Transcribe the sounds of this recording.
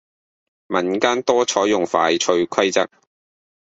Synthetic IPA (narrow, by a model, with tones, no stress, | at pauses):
mɐ˨˩nkaː˥nt̪ɔː˥t͡ʃʰɔː˨˥jʊ˨˩ŋfaː˨˧jt͡ʃʰɵ˧ɥkʰɐ˥jt͡sɐ̰˨k̚